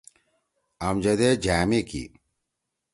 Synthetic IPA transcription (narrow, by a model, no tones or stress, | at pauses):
ɐmd͡ʑɐd̪ed͡ʑaːmekḭ